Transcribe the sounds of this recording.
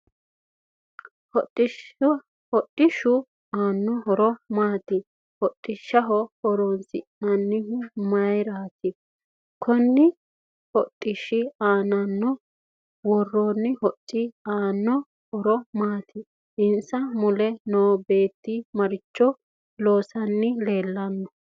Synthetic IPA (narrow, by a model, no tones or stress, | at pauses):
ɔtʼːɪ | hɔtʼːɪʃʊ | aːnːɔɦɔɾɔmaːt̪ɪ | hɔtʼːɪʃːɐɦɔhɔɾɔnsɪnɐnːɪɦmɐjɾaːt̪ɪ | kʰɔnːɪ | hɔtʼːɪʃɪaːnɐnːɔ | wɔrːonːɪhɔtʼːɪaːnːɔ | hɔɾɔmaːt̪ʰɪ | ʔɪnsɐmʊlɛnoːbe̞ːt̪ːɪmɐɾɪt͡ʃːɔ | lo̞ːsɐnːɪle̞ːlːɐnːɔ